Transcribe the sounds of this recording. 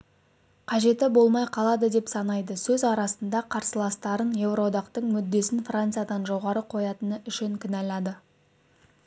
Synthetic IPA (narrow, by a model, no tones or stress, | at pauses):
qʰɑʒe̞t̪ɪbo̞lˠmɑjqʰɑlˠɑd̪əd̪e̞psɑnɑjd̪əsɵzɑɾɑsənd̪ɑqʰɑɾsəlˠɑst̪ɑɾənje̞vro̞d̪ɑqt̪əɴmʏd̪ːe̞sɪnfrant̪sɨjad̪ɑnʒo̞ʁɑɾəqʰo̞jɑt̪ənəʔʏʃɪŋkʲʰɪnælɑd̪ə